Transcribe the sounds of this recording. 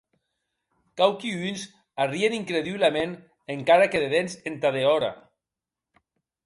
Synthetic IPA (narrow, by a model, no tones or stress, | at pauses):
kawkiynz | arieniŋkɾeðiβlamen | eŋkaɾakeðeðensent̪aðeɔɾa̰